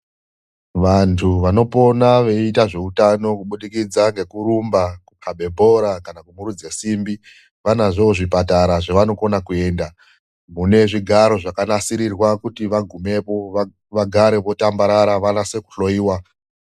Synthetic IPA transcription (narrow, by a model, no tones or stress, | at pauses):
ʋantʰuʋano̞po̞naʋe̞itaʐe̞utano̞kuɓuɗikid͡zaŋɡe̞kuɾumbakupʰaɓe̞bʱo̞ɾakanakumuɾud͡zesimbi | ʋanaʐooʐipataɾaʐeʋano̞ko̞nakue̞ːnda | mune̞ʐiɡʱaɾo̞ʐakanasiɾirwakutiʋaɡʱume̞po̞a | ʋaɡʱaɾe̞ʋo̞tambaɾaɾaʋanase̞ku̥ɬo̞iːwa